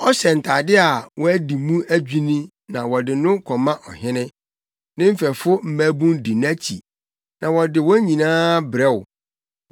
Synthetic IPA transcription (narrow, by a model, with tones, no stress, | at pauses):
ɔ˦sɛ˨n̩˨tʰa˨dɪ˦a˨wɔ˦æ˦di˨mũ˦æ˦d͡ʑᶣi˦nĩ˦ | nã˨wɔ˨dɪ˨nʊ̃˦kʰɔ˨mã˦ʔɔ˨ɦɪ̃˦nɪ̃˦ | nɪ̃˦m̩˦fɛ˨fʊ˦m̩˦˨mæ˦bũ˦ndi˨n˦a˦t͡ɕʰḭ˨ | nã˨wɔ˨dɪ˨wɔ̃˦ɲĩ˨nãː˦bɾɛ˦wʊ˨